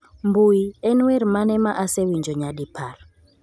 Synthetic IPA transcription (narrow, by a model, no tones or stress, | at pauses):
mbuiɛnwɛɾimanɛmaʔasɛwind͡ʒʱɔɲaɗipʰar